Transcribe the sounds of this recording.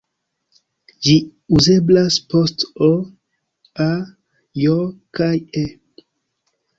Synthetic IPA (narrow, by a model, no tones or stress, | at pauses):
d͡ʒiuze̞blaspo̞sto | a | jokaje